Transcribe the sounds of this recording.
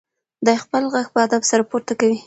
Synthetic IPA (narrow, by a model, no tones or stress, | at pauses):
d̪ɑjxpəlɣaɡ̚pəad̪absaɾapoɾt̪akawi